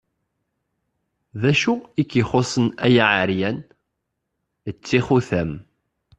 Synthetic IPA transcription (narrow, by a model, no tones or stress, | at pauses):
ðæʃuikːiχosˤənæjaʕəɾjæn | ət͡sːiχuθæm